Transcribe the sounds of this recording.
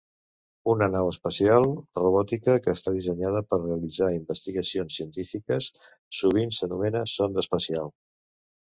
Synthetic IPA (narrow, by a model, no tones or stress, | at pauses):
unənawəspəsialˠruβɔt̪ikəkəːst̪aðisəɲað̞əpərreəlid͡zaimbəst̪iɣəsionsːiənt̪ifikəsː | uβ̞insənumɛnəsond̪əspəsialˠ